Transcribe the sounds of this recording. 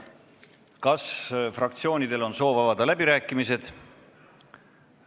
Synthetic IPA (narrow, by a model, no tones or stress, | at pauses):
kɑsfrɑk̚t̪sio̞ːnʲid̪̥e̞lo̞nso̞ːvɑvɑd̪̥ɑlæbiɾæːkːˑimise̞d̪̥